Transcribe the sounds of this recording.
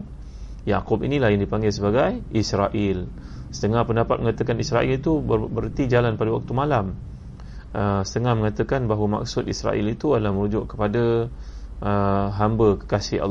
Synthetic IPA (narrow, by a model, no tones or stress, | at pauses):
ja̰kʊpḭnĩlahjaŋdipaŋɡɪls̬əbaɡajisɾaʔɪl | sə̥t̪əŋahpəndapat̪̚məŋat̪əkanisɾaʔilit̪ubəbəɾt̪id͡ʒalanpadawak̚t̪umalam | ʔəsə̥t̪əŋahməŋat̪əkanbaɦwəma̰k̚sʊt̪̚isɾa̰ʔilit̪uadəlahmə̃ɾud͡ʒʊʔkə̥pada | ʔəɦambəkə̥kasɪa̰lː